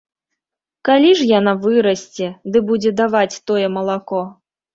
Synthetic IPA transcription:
kalʲiʐjanavɨɾɐsʲt͡sʲɛd̪ɨbud͡zʲɛd̪avat͡sʲt̪ɔjɛmɐlˠakɔ

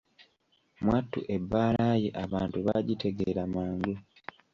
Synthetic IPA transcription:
mwatːṵʔe̞bːaːlajeʔaβaːntuβaɟite̞ɡeɾamaːŋɡu

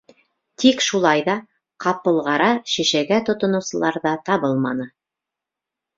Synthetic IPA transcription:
t̪ʰikʃulˠɑjðɑ | qʰɑpɤ̆lˠʁɑɾɑʃiʃæɡæt̪ŏt̪ŏnŭwsɤ̆lˠɑɾðɑt̪ɑβɤlˠmɑnɤ

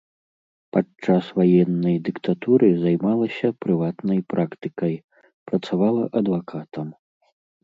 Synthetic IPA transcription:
pat͡ʂasvajɛnːɐjd̪ɨkt̪at̪uɾɨzajmalˠɐsʲɐpɾɨvat̪nɐjpɾʔakt̪ɨkɐj | pɾɐt̪savalˠɐʔɐd̪vakʰat̪ɐm

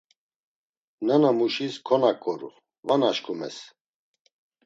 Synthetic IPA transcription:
nɛnamuʃiskʰɔnakʼɔɾṵ | vanaʃkʰʼumɛ̰s

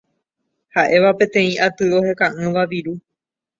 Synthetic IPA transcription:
haʔe̞ʋapẽ̞t̪ẽ̞ĩʔat̪ɨo̞he̞kãʔɨ̃ʋaʋiɾu

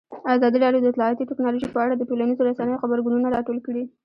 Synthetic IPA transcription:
azɑd̪iɖɑljod̪əɪt̪lɑat̪iʈɪknɑloʒipəaɽad̪əʈolanizoɾasanəjoxabaɾɡununaɾɑʈolkəɽi

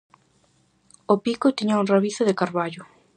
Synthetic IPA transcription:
opikʊt̪iɲauŋraβiθʊðɪkaɾβaʎʊ

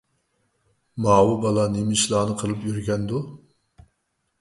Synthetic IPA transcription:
mɑːwubɑlˠɑnimɪʃlˠɑːnɨqʰəlˠɨpjyɾɡʲɛnd̪u

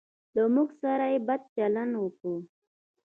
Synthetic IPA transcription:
ləmuɡsaɾajebad̪̚t͡ʃalanwəku

